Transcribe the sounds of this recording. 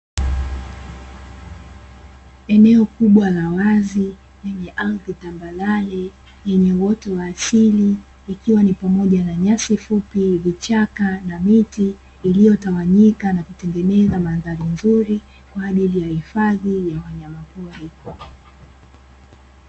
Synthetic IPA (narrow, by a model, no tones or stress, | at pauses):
ɛnɛɔkuɓwalawazi | jɛɲɛʔalðitambalalɛ | jɛɲɛwɔtɔwaːsiliː | kiwanipamɔʄanaɲasifupivit͡ʃakanamitiː | lijɔtawaɲikanakutɛŋɡɛnɛzamaðaɾinzuɾi | kwaːʄilijahifaðijawaɲamapuɾi